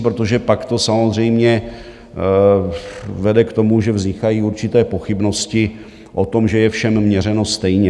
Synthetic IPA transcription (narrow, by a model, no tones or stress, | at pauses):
pɾot̪o̞ʒɛpakt̪o̞samo̞zr̝ɛjmɲɛ | vɛdɛkt̪o̞muʒɛvzɲɪxajiːuɾt͡ʃɪt̪ɛːpo̞xɪbno̞scɪ | ʔo̞t̪o̞mʒɛjɛfʃɛmːɲɛɾɛno̞st̪ɛjɲɛ